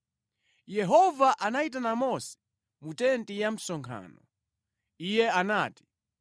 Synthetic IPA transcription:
jɛɦɔvaʔanait̬anamɔsɛ̥ | mutɛntijam̩sɔŋkʰa̰ːnɔ | ijɛanaːti̥

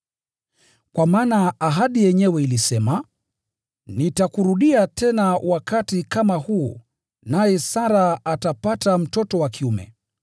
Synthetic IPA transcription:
kwamaːnaaɦaɗijɛɲɛwɛilisɛma | nitakuɾuɗiatʰɛnawakatikamahuː | najɛsaɾaatapatam̩tɔtɔwakʰiumɛ̰

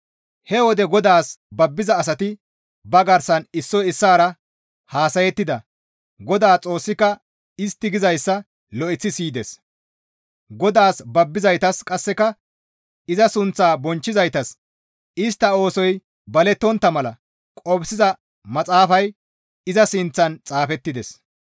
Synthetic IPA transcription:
hɛwɔd̪ɛɡɔd̪aːsbɐbːɪzɐːs̬ɐt̪ɪ | bɐɡɐɾsɐnɪsːɔjɪsːaːɾɐ | haːsɐjɛt̪ːɪd̪ɐ | ɡɔd̪aːt͡sʼo̞ːsːɪkːɐ | ɪst̪ːɪɡɪzɐjsːɐ | lɔʔɪt͡sːɪsiːd̪es | ɡɔd̪aːsbɐbːɪzɐjt̪ɐskʼɐsːɛkɐ | ɪzɐsʊnt͡sːaːbɔnt͡ʃːɪzɐjt̪ɐs | ɪs̬t̪ːɐo̞ːsɔj | bɐlɛt̪ːɔnt̪ːɐmɐlɐ̰ | kʼɔbsɪzɐ | mɐt͡sʼaːfɐj | ɪzɐsɪnt͡sːɐnt͡sʼaːfɛt̪ːɪd̪ɛs

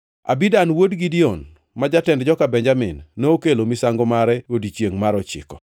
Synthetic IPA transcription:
a̰bidanwodɡidiɔn | mad͡ʒatɛndd͡ʒɔkabɛɲd͡ʒamɪ̰nːookelomisaŋɡɔmaɾɛodit͡ʃjeŋmaɾɔt͡ʃɪ̰kɔ

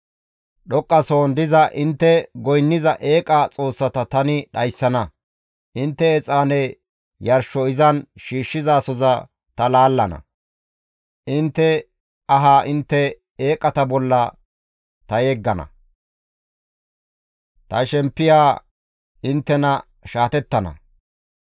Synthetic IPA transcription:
ɗɔkʼːɐsoːnd̪ɪzɐʔɪnt̪ːɛɡɔjnːɪzɐʔe̞ːkʼɐt͡sʼo̞ːsːɐt̪ɐt̪ɐnɪɗɐjsːɐnɐ | ʔɪnt̪ːɛet͡sʼaːnɛ | jɐɾʃɔɪzɐnʃiːʃːɪzaːsɔzɐ | t̪ɐlaːlːɐnɐ̰ | ʔɪnt̪ːɛ | ɐɦaːʔɪnt̪ːɛ | eːkʼɐt̪ɐbɔlːɐ | t̪ɐjeːɡːɐnɐ̰ | t̪ɐʃɛmpːɪjaː | ɪnt̪ːɛnɐ | ʃaːt̪ɛt̪ːɐnɐ̰

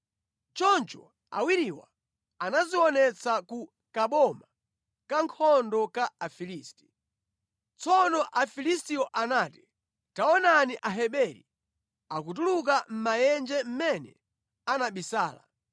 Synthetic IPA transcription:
t͡ʃɔnt͡ʃɔ | a̰wiɾiwa̰ | anaziwɔnɛt͡sʰaku | kaɓɔma | kaŋkʰɔndɔkaafiliːsti̥ | t͡sɔnɔʔafilistiwɔʔanaːti | taɔnaniʔaɦɛɓɛɾḭ | akut̬uluk̬am̩majɛnd͡ʒɛm̩mɛnɛ̰ | anaɓisaːla̰

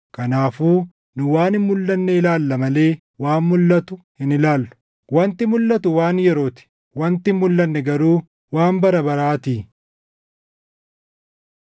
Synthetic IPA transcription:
kɐnaːfuː | nʊwaːnhɪmːʊlːɐnːɛɪlaːlːɐmɐle̞ː | waːnmʊlːɐt̪ʊ | hɪnɪlaːlːʊ̥ | wɐnt̪ɪmʊlːɐt̪ʊwaːnjɛɾo̞ːt̪ɪ̥ | wɐnt̪ɪɪmːʊlːɐnːɛɡɐɾuː | waːmbɐɾɐbɐɾaːt̪iː

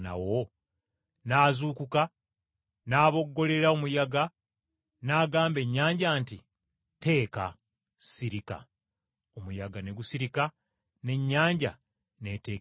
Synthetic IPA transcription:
na̰wo | naːzuːkuka | naːβo̞ɡːo̞le̞ɾao̞mujaɡa | naːɡaːmbe̞ɲːaːɲɟaːnti | te̞ːka̰ | siɾika̰ | omujaɡane̞ɡusiɾika | ne̞ɲːaːɲɟa̰ | ne̞te̞ː

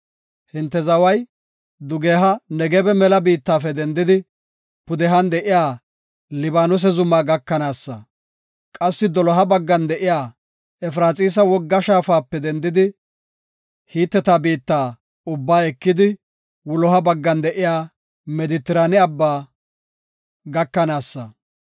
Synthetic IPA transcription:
hɪnt̪ːɛzɐwɐj | d̪ʊɡeːɦɐnɛɡɛbɛmɛlɐbiːt̪ːaːfɛd̪ɛnd̪ɪd̪ɪ | pʊd̪ɛɦɐnd̪ɛʔɪjaː | lɪbaːnɔs̬ɛzʊmːaːɡɐkːɐnaːsːɐ̰ | kʼɐsːɪd̪ɔlɔɦɐbɐɡːɐnd̪ɛʔɪjaː | ɛfɾaːt͡sʼiːs̬ɐwɔɡːɐʃaːfaːpːɛd̪ɛnd̪ːɪd̪ɪ | hiːt̪ːɛt̪aːbiːt̪ːaː | ʊbːaːɛkːɪd̪ɪ | wʊlɔɦɐbɐɡːɐnd̪ɛʔɪjaː | mɛd̪ɪt̪ːɪɾaːnɪɐbːaː | ɡɐkːɐnaːsːɐ

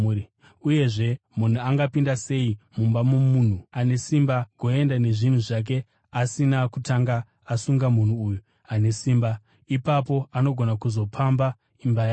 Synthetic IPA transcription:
uje̞ʐe̞ | mun̤uaŋɡapindase̞imumbamomuːn̤uane̞simbaɡʱo̞e̞ndane̞ʐin̤uʐak̬e̞ | asinakutaŋɡaː | suŋɡamun̤uːju | ane̞siːmba | ipapo̞ano̞ɡʱo̞nakuzo̞pʰamba | imbaja

